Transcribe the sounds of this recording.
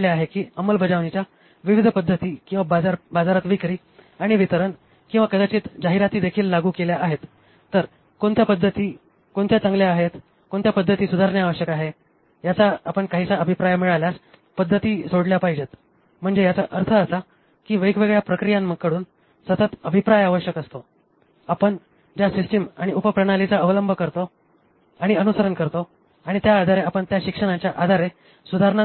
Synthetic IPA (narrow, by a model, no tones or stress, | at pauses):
ljaaɦekiːəməlbəd͡zaʋnit͡ɕja | ʋiʋid̪ʱəpəd̪ʱːət̪iːkĩw̃ʋabad͡zaɾbad͡zaɾat̪ʋikɾiː | aɽ̃iʋit̪əɾəɳ | kĩw̃ʋakəd̪at͡ɕiːt̪d͡zaɦiɾat̪iːd̪ekʰiːlːaɡuːkeljaʔaɦet̪ː | əɾ | koɳt̪japəd̪ʱːət̪iː | koɳt̪ʰjat͡saŋɡljaːɦet̪ | koɳt̪japəd̪ʱːət̪iːsud̪ʱaɾɳjaːʋəɕjəkaɦe | jat͡saːpəɳkaɦisaəbʱipɾajəmiɭaljas | pəd̪ʱːət̪iːsoɽljapaɦid͡ʑet̪ | m̤əɳd͡zejat͡saʔəɾt̪ʰəːsa | kiːʋəikʋeɡɭjapɾəkɾijãmːəɡ̚kːəɽuːn | sət̪ət̪əbʱipɾajaʋəɕjəkəst̪o | apəɳ | d͡ʑjasisʈimaɽ̃iupəpɾəɽ̃alit͡saəʋələmbʱəkəɾt̪o | aɽ̃iənusəɾəɳkəɾt̪o | aɽ̃it̪jaːd̪ʱaɾeapəɳt̪jaɕikʂəɽãt͡ɕjaʔad̪ʱaɾe | sud̪ʱaɾɳa